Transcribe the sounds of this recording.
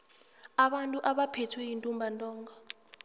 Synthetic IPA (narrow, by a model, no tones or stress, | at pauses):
aɓantʼuʔaɓapʰetʰwɛjintʼumbʱantʼɔːŋɡɔ